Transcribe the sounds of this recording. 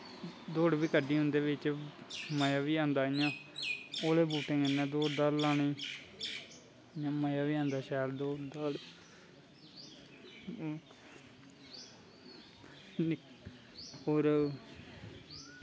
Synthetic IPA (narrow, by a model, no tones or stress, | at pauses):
d̪oːɽbiːkəɖiːɦʊ̃nd̪eːʋɪt͡ʃ | məjaːʋiːãːnd̪aːjãː | oːleːbuːʈɪ̃ŋɡɪnːɛ̃ːd̪oːd̪aːɾlaːniː | jãːməjaːʋiːãːnd̪aːʃɛːld̪oːd̪aːl | oːɾ